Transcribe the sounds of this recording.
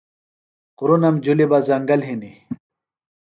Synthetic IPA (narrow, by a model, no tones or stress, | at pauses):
quɾunɐmd͡ʑulibazɐŋɡɐlɦini